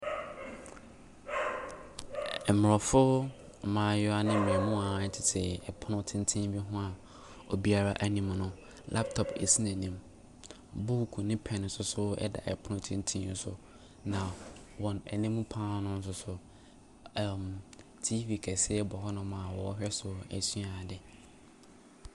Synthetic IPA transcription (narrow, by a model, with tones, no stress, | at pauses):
ɛ˨m˨ɾɔ˨fʊ˦˨ | mãː˨jɔ˦a˨nɪ̃˦mĩ˨ɛ˨mʊ̃˦a˨˦tʰɪ˨tʰɪ˨ɛ˨pʰʊ˦nʊ̃˦tʰɪ̃˦n˦tʰĩ˦bi˦ɦʊ̃˦a˨ | o˨bi˦a˦ɾa˦ʔæ˦nĩ˨mnʊ̃˦ | lʔa̰˦p̚tʰɔ˨pḛ˨si˦nɛ̃˨nĩ˨m | bu˦kʰu˨nɪ̃˦pʰɛ̃˨n̩˨sʊ˦sʊ˦ɛ̰˦da̰˨ɛ̰˨pʰʊ˦nʊ̃˦tʰɪ̃˦n˦tʰĩ˦n̩˦sʊ̰˨ | nã˨wɔ̃˨nɛ̰˨nĩ˦mũ˦pʰãː˦nʊ̃˦n̩˦s̬ʊ˨sʊ˨ | m | tʰi˦vi˨kʰɛ˨sɪ˦ɛ˦bɔ˨hɔ˦nʊ̃˦mã˨wɔ˨ɔ˦ɦɛ˦sʊ˨æ̰˨su˦a˨dɪ˨